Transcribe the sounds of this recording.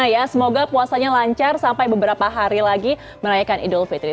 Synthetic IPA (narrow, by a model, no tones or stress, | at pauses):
ajasəmoɡapuasaɲalaɲt͡ʃarsampajbəbəɾapaɦaɾilaɡi | məɾajakanḭdʊlfit̪ɾi